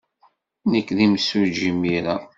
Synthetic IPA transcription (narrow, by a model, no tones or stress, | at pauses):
nəkːðimsuɾʒimːiɾa